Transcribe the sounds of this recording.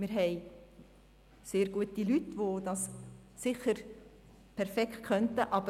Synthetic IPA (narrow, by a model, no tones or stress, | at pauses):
mɪɾɦɛɪ | seːɾɡuətilytʋod̥ɑssɪχəɾ | pʰɛɾfɛkχt̚kʰœntəʔɑbə